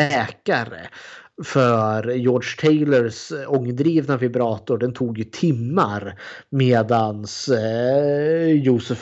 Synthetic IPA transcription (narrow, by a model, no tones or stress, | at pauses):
ɛːkaɾə̰fœɾjɔːɖʂt̪ʰɛɪləɾsɔŋːd̪ɾiːvnavɪbɾɑːt̪ʊɖɛnt̪ʰuːɡjɵt̪ʰɪmːaɾmeːd̪ans | juːsɵf